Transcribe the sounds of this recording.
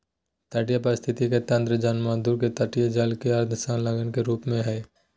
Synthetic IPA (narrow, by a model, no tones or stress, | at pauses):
t̪aʈijapəɾɪst̪ʰɪt̪iket̪ə̃nd̪ɾəd͡ʒaːnmaːd̪uːɾket̪aʈijad͡ʒaːlkeɐɾd̪ʰʱsãːnlaɡənkeɾuːpmẽɦɛː